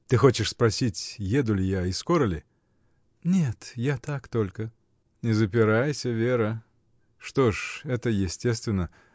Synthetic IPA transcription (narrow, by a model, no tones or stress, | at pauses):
t̪ɨxo̞t͡ɕɪʂspɾɐsʲitʲjed̪ʊlʲɪjaiskoɾəlʲɪ | nʲet̪jat̪akt̪o̞lʲkə | nʲɪzəpʲɪɾajsʲəvʲeɾə | ʂt̪oʂɛt̪əjɪsʲtʲe̞st̪vʲɪnːə